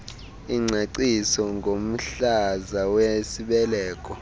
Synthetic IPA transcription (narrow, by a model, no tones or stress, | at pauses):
iŋ͡ǀʱaǀisɔŋɡʱom̩ɬazawesiɓɛlɛːkʼɔ